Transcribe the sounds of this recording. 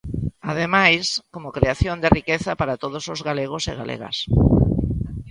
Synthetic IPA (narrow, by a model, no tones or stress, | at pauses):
aðemajskomokɾeaθjond̪erikeθɐpaɾat̪oðosozɣaleɣ̞osḛɣa̰lʔḛɣɐ̰s